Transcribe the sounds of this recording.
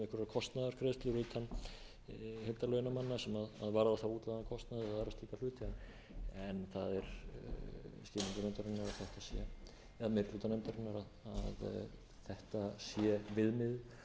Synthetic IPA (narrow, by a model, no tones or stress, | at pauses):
ɪhkɾɾkʰɔst̪naðaɾ̥kʰɾest̪lɪɾʏːt̪ʰan | hɪlt̪alœːɥnamanːasɛmaða̰ðvaːɾaðaθawuːt̪aankʰɔst̪naðɪaɾast̪iːkaflʏːt̪ɪan | ɛnθaðɛɾ̥ | sc̪ɪːmiŋkanɛmt̪aɾɪnːaɾaðθɛht̪asjɛ | ɛðmɪɾluːt̪anɛmt̪aɾɪnːaɾaðað | θɛht̪asjɛvɪðmɪð